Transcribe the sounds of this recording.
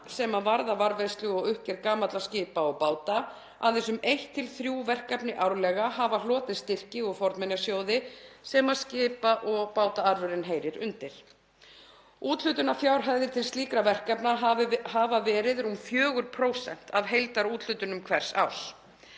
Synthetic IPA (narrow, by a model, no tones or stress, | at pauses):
sɛmavaɾðavaɾvejst̪lʏɔɣʏhcɛɾkaːmat̪lascɪːpaɔɣpaːwt̪a | a̰ðɛsʏmejht̪ʰːɪlθɾjuːvɛr̥kapnɪʔawɾlɛːɣaɦaːvalɔːt̪ɪðst̪ɪr̥cɪɔɣfɔɾt̪mɛnjasjoːwðɪsɛmaðscɪːpaʔɔɣpaːwt̪aaɾvʏɾɪnɦeːjɾɪɾʏnt̪ɪɾ̥ | uːt̪l̥ʏt̪ʏnafjawɾ̥ɦaððɪt̪ʰɪlst̪liːkɾavɛr̥kapnahaːvavɛːɾɪðɾumfjœːɣʏɾpʰɾoːwsɛ̰n̥t̪aðɦejlt̪aɾuːt̪l̥ʏt̪ʏnʏmkʰvɛr̥sa̰ws